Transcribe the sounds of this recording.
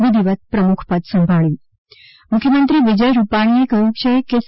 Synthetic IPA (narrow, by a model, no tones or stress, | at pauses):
ʋid̪ʱiʋət̪̚pɾəmukʰpəd̪səmbʱaɭjĩ | mʊkʰjəmənt̪ɾiʋid͡ʒəjɾupaɽ̃iekəjũt͡ʃʰekes